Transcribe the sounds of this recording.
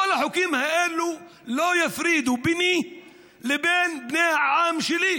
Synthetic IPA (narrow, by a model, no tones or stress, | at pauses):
walːaħʊkiːmhaʔeːlːu | loːjɪfɾiːd̪ubɪni | lɪbeːnbneːʕaːmʃɪliː